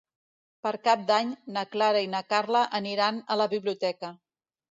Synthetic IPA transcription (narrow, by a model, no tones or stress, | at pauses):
pəɾkap̚d̪aɲnəklaɾəinəkaɾləʔəniɾanələβiβliut̪ɛkə